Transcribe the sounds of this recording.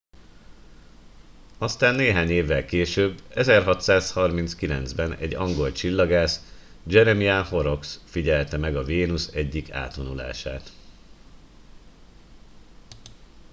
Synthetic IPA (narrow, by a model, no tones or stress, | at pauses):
ɒst̪aːnːeːɦaːɲeːvːɛlkeːʃøːbːɛzɛrɦɒt̪saːshɒrmint̪skilɛnd̪zbɛnɛ̰ɟːɒŋɡo̞lt͡ʃilːɒɡaːs | d͡ʒɛɾɛmiaho̞ɾo̞ksfiɟɛlt̪ɛmɛɡɒveːnusɛɟːika̰ːt̪ʋonula̰ːʃa̰ːt̪